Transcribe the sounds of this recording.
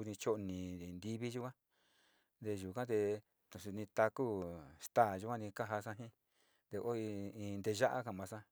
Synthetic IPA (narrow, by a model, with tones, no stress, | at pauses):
u˧nĩ˧t͡ʃo˦ʔnĩ˨nd̪i˦˧βi˦ʒu˦kʷã˦ | nd̪e˧ʒu˨kã˦t̪e˧ | t̪ũ˨su˧nĩ˧t̪a˧ku˦st̪aː˦˨ʒu˧˦kʷã˦nĩ˧ka˦ɦa˧sã˧ɦĩ˦ | d̪e˧ʔo˦i˧ĩ˧nd̪e˧ʒa˦ʔa̰˦kã˨mã˨˧sã˦